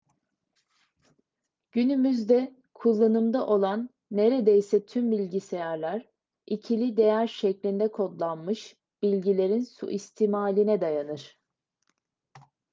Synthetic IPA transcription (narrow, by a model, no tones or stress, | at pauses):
ɟ̥ynymyzd̪ɛ | kʰulˠːanɯmd̪aʔo̞lˠanː | e̞ɾed̪ejsɛt̪ʰymbilʲɟise̞jæɾlʲæɾ | icʰilʲid̪e̞jæɾʃɛclʲind̪ɛkʰo̞d̪lˠanmɯʃ | b̥ilʲɟilʲe̞ɾinsṵʔist̪ʰiːmaːlʲinɛd̪ajanɯɾ̥